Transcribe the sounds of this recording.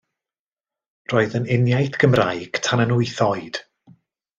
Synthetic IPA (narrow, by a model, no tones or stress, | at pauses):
roːɨðənɪnjajθɡ̥əmra̰jɡ̥tʰanənʊɨθɔɨd̥